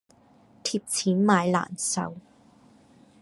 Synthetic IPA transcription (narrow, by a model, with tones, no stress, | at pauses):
t̪ʰi˨˩p̚t͡sʰiː˨˦nmaː˨˧˥jla̰ː˨˩nsa̰˨˧˥w